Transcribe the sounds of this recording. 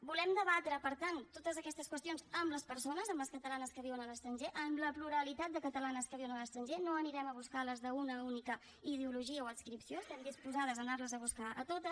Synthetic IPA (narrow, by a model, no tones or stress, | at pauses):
bulɛmd̪əβat̪ɾəpəɾt̪ant̪ːot̪əzəkɛst̪əskwəst̪ionzəmləspəɾsonəzəmləskət̪əlanəskəβiwənələst̪ɾənʒeʔəmləpluɾəlit̪at̪̚d̪əkət̪əlanəskəβiwənələst̪ɾənʒenoəniɾɛməβ̞uskaləzðəunəunikə | ið̞euluʒiəoənskɾipsiost̪ɛmd̪ispuzaðəzənarləzəβuskaʔət̪ot̪ə